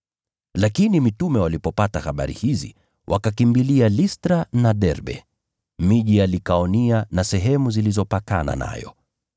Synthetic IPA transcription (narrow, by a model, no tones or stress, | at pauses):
lakinimitumɛwalipɔpatahaɓa̰ɾḭhizḭ | wʔa̰kakimbilialistɾanaɗɛɾɓɛ̰ | miʄialikaɔnianasɛɦɛmuzilizɔpakana̰na̰jɔ̰